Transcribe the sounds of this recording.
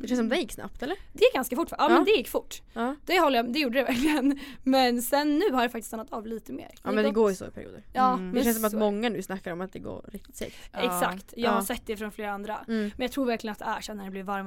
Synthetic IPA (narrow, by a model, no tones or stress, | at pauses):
d̪ɛʃɛnsɔmd̪ɛjɪkːsna̰p̚t̪ɛlːəɾd̪ɛjɪk̚ːɡanskafʊʈːfʔɑːmɛnnd̪ɛjɪkːfʊʈːɑd̪̥ɛhɔlːəjad̪ɛjuːɖəd̪ɛvæɾklɪənmɛnsɛnːʉ̟ːhaɾjdafakt̪ɪst̪anːat̪ɑːvliːt̪əmḛːɾɛnd̪ɛɛɡoːɾɪso̰ɪpʰæɾ̰jṵːd̪ə̰ɾɑːmɛɛɛnsɔmat̪mɔŋːanʉ̟ːsnakːaɾɔmat̪̚d̪ɛɡo̰ːɾɾɪk̚t̪ɪ̥t̪sɛ̰ːkɛsakt̪jɑːɡaɾsɛt̪ːd̪ɛfɾɔnfleːɾaand̪ɾammɛnjɑt̪ʰɾuːɾvæɾkʰlɪənt̪d̪ɛæʂɛnːæɖɛblɪvvaɾm